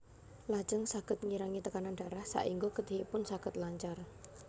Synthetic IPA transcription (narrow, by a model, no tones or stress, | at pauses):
lḁd͡ʒ̥əŋsaɡ̥ə̤t̪̚ŋiɾaŋit̪əkananɖ̥a̤ɾahsa̰ʔiŋɡoɡəd̪e̤ɦipʊnsaɡ̥ə̤t̪̚laɲt͡ʃar